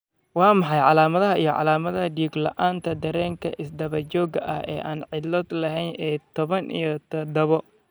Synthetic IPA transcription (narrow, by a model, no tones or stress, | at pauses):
wɑːmɑħɑjʕɑlaːmɐðɐɦɐijɞʕɑ̰laːmɐðɐɦɐd̪iːɡlɐ̰ʔaːnt̪ʰɐd̪ɐɾɛːŋkʰɐ̰ʔɪsd̪ɐβɐt͡ʃɔːɡɐʔɐhɛ̰ːʔaːnʕɪlɔd̪lɐɦɛjnʔɛːt̪ʰɔβɐnʔḭjɔt̪ʰɐd̪ɐβɔ